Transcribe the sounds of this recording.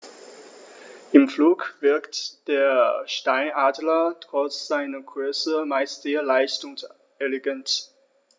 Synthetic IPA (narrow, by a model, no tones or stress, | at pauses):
ʔɪmfluːkv̥ɪɐktd̥eːɐʃtaɪnaːdlɐtʁ̥ɔt͡sz̥aɪnɐɡ̥ʁʏɐsəmaɪstz̥eːɐlaɪstʊŋs | ʔɛleɡɛnt